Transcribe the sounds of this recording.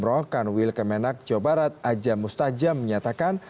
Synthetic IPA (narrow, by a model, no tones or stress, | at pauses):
ɾɔkanwilkəmɛnak̚d͡ʒɔbaɾat̪̚ad͡ʒamust̪ad͡ʒamːəɲat̪akan